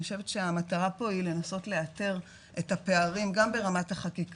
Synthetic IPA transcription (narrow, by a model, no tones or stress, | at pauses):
oʃe̞vetʃeamataʁapo̞ile̞naso̞tle̞ate̞ʁ | ʔe̞thape̞aʁimɡambe̞ʁamathaχakik